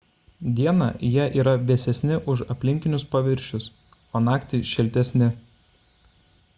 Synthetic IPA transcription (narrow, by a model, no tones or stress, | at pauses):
d̪ʲiɛnɑ̰jiɛʔiːɾɐʋʲɛsʲɛsʲnʲɪʔʊʃɐpʲlʲɪŋʲkʲɪnʲʊspɐʋʲɪɾʲʃʲʊs | oːnɑːkt̪ʲɪʃʲɪlʲt̪ʲɛsʲnʲɪ